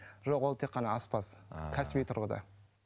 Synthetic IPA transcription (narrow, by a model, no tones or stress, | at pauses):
ʒoqwolˠt̪ʰe̞qːɑnɑɑspɑskʲʰæsɪbijt̪ʰʊɾʁəd̪ɑ̰